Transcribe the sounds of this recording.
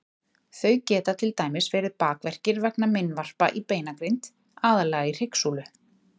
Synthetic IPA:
θœɥcɛːt̪at̪ʰɪlt̪aːjmɪsvɛːɾɪðpaːkvɛr̥cɪɾvɛknamɪnvar̥pa̰ʔipeːjnakɾijnt̪ | aːðalɛːɣair̥ɪksulʏ

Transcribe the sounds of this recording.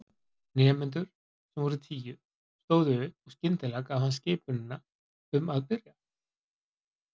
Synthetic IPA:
nɛːmɪnt̪̬ʏɾ̥ | sɛmvɔɾʏt̪ʰiːjʏ | st̪oːwðʏʏɔɣscɪnt̪ɪlɛkavhanscɪːpʏnɪnːa | ʏmaðpɪrja

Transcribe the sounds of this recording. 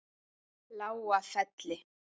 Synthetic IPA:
lauwafatlɛ

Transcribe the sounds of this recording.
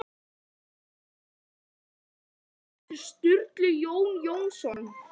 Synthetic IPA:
st̪ʏrt̪lʏjownjownsɔnn

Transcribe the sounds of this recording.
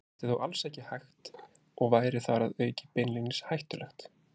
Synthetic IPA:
t̪ɪθowʔalsɛhcɪhajxt̪ | ɔɣvaːjɾɪθaɾaðœːɥcɪpɪnlinɪshajht̪ʏlɛxt̪

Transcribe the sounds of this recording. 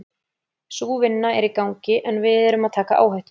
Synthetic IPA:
suːvɪnːaɛɾikawŋcɪʔɛnvɪðɛɾʏmaðt̪ʰaːkaʔa̰ːwhaht̪ʏ

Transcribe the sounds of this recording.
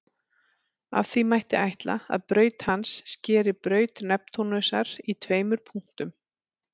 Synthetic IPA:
a̰vθimajht̪ɪʔajht̪la̰a̰ðpɾœːɥt̪hansːcɛːɾɪpɾœːɥt̪nɛp̚t̪ʰonœsaɾ̥it̪ʰveːjmʏɾ̥pʰuŋ̥t̪ʏm

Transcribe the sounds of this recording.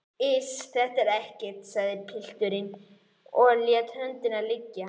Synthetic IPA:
ɪsθɛht̪aɾɛhcɪt̪saðɪɾpʰɪl̥t̪ʏɾɪn | ɔljat̪ʰhœnt̪ɪnalɪcːa

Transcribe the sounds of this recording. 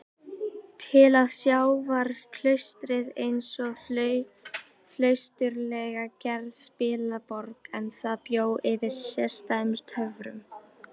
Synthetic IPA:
t̪ʰɪlaðsjaːwvaɾkʰlœɥst̪ɾɪðejnsɔɣflœɥ | flœɥst̪ʏɾlɛɣacɛɾðspɪːlapɔɾkɛnθaðpjoːwʔɪvɪɾsjɛ̥st̪ajmst̪hœvɾʏ̰m

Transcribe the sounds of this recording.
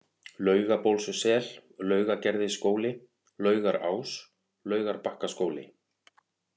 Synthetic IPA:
lœːɥɣapowlsʏsɛllœːɥɣacɛɾðɪskoːwlɪ | lœːɥɣaɾa̰ːws | lœːɥɣaɾpahkaskoːwlɪ̰

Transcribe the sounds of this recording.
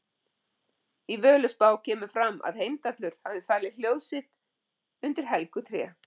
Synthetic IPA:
ivœːlʏspaːwcʰɛːmʏ̥fɾamːa̰ðhejmt̪at̪lʏɾ̥havðɪfaːlɪl̥joːwðsɪht̪ | ʏnt̪ɪɾ̥ɦɛlkʏt̪ʰɾɛ̰ː

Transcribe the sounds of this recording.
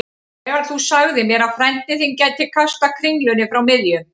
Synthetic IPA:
ɣaɾθusaɣðɪmjɛɾafɾɛjn̥t̪ɪθincajt̪ʰːɪlkʰast̪akʰɾɪŋlʏnɪfɾawmɪðjʏ

